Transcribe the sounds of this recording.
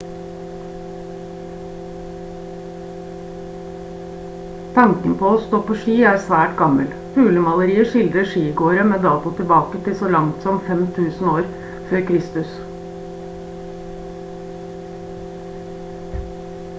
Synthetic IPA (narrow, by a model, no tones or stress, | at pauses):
t̪ʰɑŋkənpʰoːoːst̪oːpoːʃiːæːɾsʋæːʈɡɑməl | pʰʉːləmɑləɾiːəʂɪld̪ɾəʂiːɡoːɾəmeːd̪ɑːt̪ʊt̪ʰɪlbɑːkət̪ʰɪsoːlɑŋt̪sɔmfɛmt̪ʰʉːsn̩oːɾ | føːɾkʰɾɪst̪ʉs